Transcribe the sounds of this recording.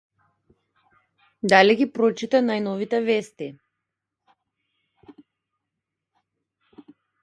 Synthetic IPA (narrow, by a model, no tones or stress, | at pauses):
d̪aliɡipɾɔt͡ʃit̪anajnɔvit̪ɛvɛst̪i